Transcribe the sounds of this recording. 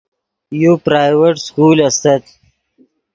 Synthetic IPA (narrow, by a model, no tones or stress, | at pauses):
jopɾaːjweʈskuːlɐst̪ɐt̪